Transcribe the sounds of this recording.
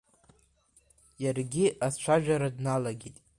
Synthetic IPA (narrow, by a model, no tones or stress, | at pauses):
jarɡʲiʔazt͡ʃʷʰaʒᶣaɾadnalaɡʲitʼ